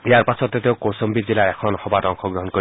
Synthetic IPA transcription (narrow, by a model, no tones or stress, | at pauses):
jaɾpasɔt̪et̪ewkosɔmbid͡zilaekʰɔnɔhɔbatɔŋkʰɔɡɾɔɦɔnkɔ